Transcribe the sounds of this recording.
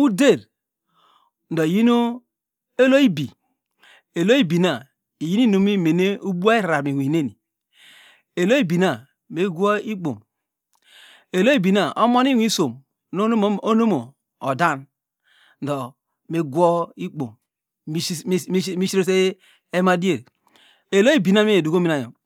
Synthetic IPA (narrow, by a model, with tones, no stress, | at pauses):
u˦de˦˨ɾ | n̩˨do˨i˨ji˦no˦ | e˦lo˦i˦bi˨ | e˨lo˦i˦bi˨na˨ | i˨ji˦ni˦no˨mi˦me˨ne˦u˦bu˦a˦i˦˨ɾa˨mi˨wʷi˨ne˦ni˨ | e˨lo˦i˦bi˨na˨ | me˦ɡʷo˦i˦k͡po̰˨m | e˨lo˦i˦bi˨na˨o˦mo˦ni˦wʷi˦so˨m | no˦o˦no˦mo˨ | o˨da˦n˨ | do˨ | me˨ɡʷo˦i˦k͡po̰˨m˦ | mi˦ʃi˦ɾo˦se˦ | e˦ma˦di˦e˨ɾ | e˨lo˦i˦bi˨na˦me˦e˨du˨ko˦mi˦a˨jo˨